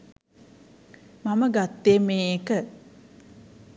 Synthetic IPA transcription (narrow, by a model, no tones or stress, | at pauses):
maməɡat̪ːemeːkə